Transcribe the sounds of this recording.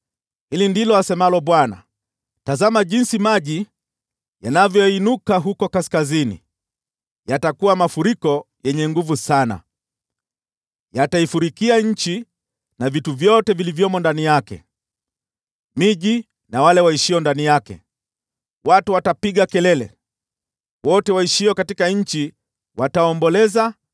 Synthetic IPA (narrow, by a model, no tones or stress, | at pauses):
hilindilɔasɛmalɔɓwana̰ | tazamaʄinsimaʄi | janavjɔinukaɦukɔkaskazinḭ | jatakuwamafuɾikɔ | jɛɲɛŋɡuvusana̰ | jataifuɾikiaɲ̩t͡ʃi | navituvjɔtɛvilivjɔmɔndanijakɛ̰ | miʄi | nawalɛwaiʃiɔndanijakɛ̰ | watuwatapiɠakɛlɛlɛ̰ | wɔtɛwaiʃiɔkatikaɲ̩t͡ʃi | wataɔmbɔlɛza